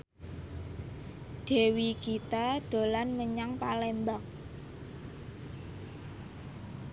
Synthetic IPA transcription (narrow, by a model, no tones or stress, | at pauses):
ɖ̪̥e̤wikit̪ad̪̥o̤lanməɲaŋpalembaŋ̚